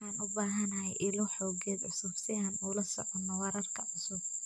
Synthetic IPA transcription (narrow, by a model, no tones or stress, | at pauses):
aːnʔʊbaːɦɐnɐɦɛjʔɪlɔħɔːɡɛːd̪ʕʊsuːfsɪjaːnuːlɐsɔ̰ʕɔnːɔwɛɾɐrkʰɐʕʊsʊb